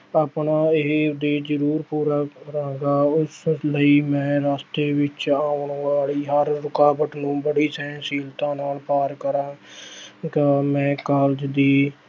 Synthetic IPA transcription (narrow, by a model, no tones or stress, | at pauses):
aːpɳaːɪɦd̪eːd͡ʒəɾuːɾpuːɾaːəɾãːɡaːʊsləiːmɛ̃ːɾaːst̪eːʋɪt͡ʃaːʊɳʋaːliːɦəɾːʊkaːbəʈnũːbəɽiːsɛ̃ːsiːlt̪ãːnaːlpaːɾkəɾãː | kəmɛ̃ːkaːld͡ʒd̪iː